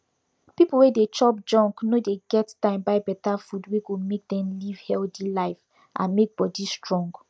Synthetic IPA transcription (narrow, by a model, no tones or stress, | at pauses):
pipol̩wedet͡ʃɔp̚d͡ʒɔ̃ŋknodeɡɛttãɪ̃mbaɪbɛtafudweɡomek̚dɛ̃mliv̥hɛltilaɪf | ʔã̰nmek̚bɔdistɹɔ̃ŋɡ